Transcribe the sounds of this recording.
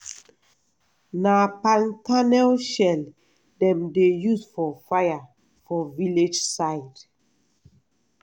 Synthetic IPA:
napãntanɛlʃɛl | dɛ̃mdejusfɔfaja | fɔviled͡ʒsaɪd

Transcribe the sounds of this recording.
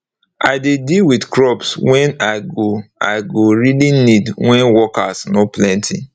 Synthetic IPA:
ʔa̰ɪdedilwidkɹɔpswɛ̃naɪɡoa̰ɪɡoɹilinidwɛ̃nwɔkasnoplɛ̃ntʰḭ

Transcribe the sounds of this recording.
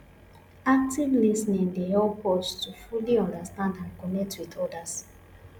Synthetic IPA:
ak̚tivlisnĩŋdeɔpʰɔstufuliɔ̃ndəstãndãnkɔnɛk̚twiðɔdas

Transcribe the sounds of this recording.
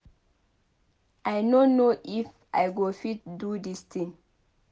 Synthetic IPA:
ʔajnonoʔif | ʔa̰jɡofit̚dudist̪ĩŋ

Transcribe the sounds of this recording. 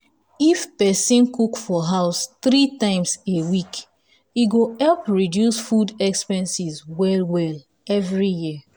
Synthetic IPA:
ifpɛsĩnkukfɔɦaʊsθɾitãɪ̃msewik | iɡohɛlpɹidjusfudɛkspɛ̃nsizwɛlwɛl | ɛvɹijiə

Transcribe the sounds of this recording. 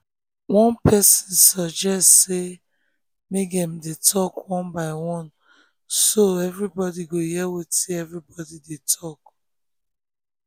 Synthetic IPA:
wɔ̃npʰɛsĩnsɔd͡ʒɛstse | mekdɛ̃mdetʰɔkwɔ̃nbaɪwɔ̃n | soɛvɹibɔdiɡojɛwetiɛvɹibɔdidetʰɔk̚

